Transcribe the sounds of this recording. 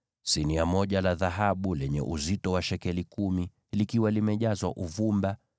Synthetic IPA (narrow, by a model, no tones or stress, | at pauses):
siniamɔʄalaðaɦaɓulɛɲɛ̰ʔuzitɔwaʃɛkɛlikumi | likiwalimɛʄazwaʔuvumba